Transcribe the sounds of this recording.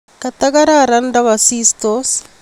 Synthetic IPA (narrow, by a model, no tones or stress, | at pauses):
kɐt̪ɐɡɐɾaɾɐnɖɐʋɐsiːst̪os